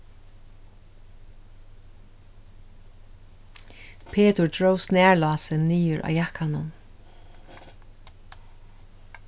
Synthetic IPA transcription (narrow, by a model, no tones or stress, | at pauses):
pʰeːt̪ʊɹd̪ɹoːwsnæːɹlɑːsɪnːiːʏɹʔa̰ːjakanʊ̰n